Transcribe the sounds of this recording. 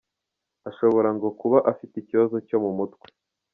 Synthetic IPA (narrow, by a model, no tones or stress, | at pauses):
aʃo̞βo̞ɾaŋɡo̞kuβaʔafiticiβazo̞co̞mumutwe̥